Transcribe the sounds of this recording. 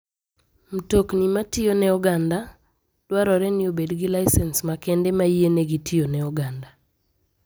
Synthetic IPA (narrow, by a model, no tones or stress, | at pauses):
m̩toknimatɪjonɛɔɡanda | d̥waɾɔɾɛnɪobedɡɪlaɪsɛnsmakɛndɛmaieneɡitʰɪjonɛɔɡanda